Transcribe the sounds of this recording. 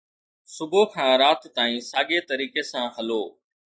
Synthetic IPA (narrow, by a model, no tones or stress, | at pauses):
sʊbʱoːkʰãːɾaːt̪t̪aːĩːsaːɠeːt̪əɾiːkeːsãːɦəloː